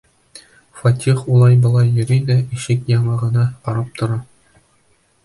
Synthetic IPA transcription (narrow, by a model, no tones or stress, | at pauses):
fɑtʲiχulˠɑjbɤ̆lˠɑjːɘ̆ɾʲid̪æiʃɘkjɑɴɑʁɤ̆nɑqɑɾɑp̚t̪ŏɾɑ